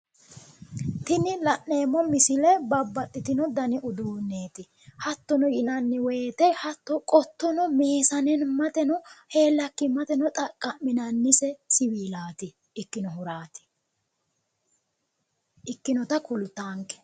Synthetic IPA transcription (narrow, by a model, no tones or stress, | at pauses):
t̪ɪnɪlɐʔːeːmːɔmɪsɪlɛbɐbːɐt̪ʼːɪt̪ɪnɔd̪ɐnɪʔʊd̪uːnːe̞ːt̪ɪ | hɐt̪ːɔnɔjɪnɐnːɪwɔjt̪ɛhɐt̪ːɔkʼɔt̪ːɔnɔmeːsɐnɛnmɐt̪ɛnɔhe̞ːlːɐkːɪmɐt̪ɛnɔt̪ʼɐkʼːɐmmːɪnɐnːɪsɛsɪwiːlaːt̪ɪː | kːɪnɔɦʊɾaːt̪ɪ̥ | ʔɪkːɪnɔt̪ɐkʊlʊt̪aːŋkːɛ̥